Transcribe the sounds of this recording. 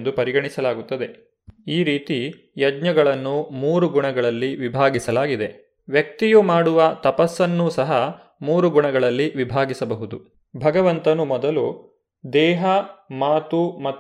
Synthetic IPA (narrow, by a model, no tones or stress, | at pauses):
nd̪upɐɾiɡɐɳisɐlaːɡut̪ːɐd̪e̞ | iːɾiːt̪i | jɐd͡ʒɲɐɡɐɭɐnːumuːɾuɡuɳɐɡɐɭɐlːiʋibʱaːɡisɐlaːɡid̪e̞ | ʋjɐk̚t̪ijumaːɽuʋɐt̪ɐpɐsːɐnːusɐɦɐ | muːɾuɡuɳɐɡɐɭɐlːiʋibʱaːɡisɐbɐɦud̪u | bʱɐɡɐʋɐnt̪ɐnumɔd̪ɐlu | d̪ɛːɦɐmaːt̪umɐt̪ː